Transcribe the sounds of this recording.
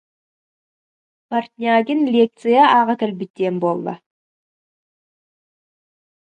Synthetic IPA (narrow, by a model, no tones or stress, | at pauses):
part̪ʲnʲiaɡʲɪnlʲek̚t̪sɨjaʔɑʁək̪ʲɪlbɪt̪ʲːe̞nbolˠd̪ə̰